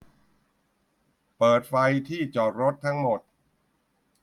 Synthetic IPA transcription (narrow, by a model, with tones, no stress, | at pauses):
pɤː˨˩t̪̚fa˧jt̪ʰiː˥˩t͡ɕɔː˨˩ɾo˦˥t̪̚ʰːa˦˥ŋmo˨˩t̪̚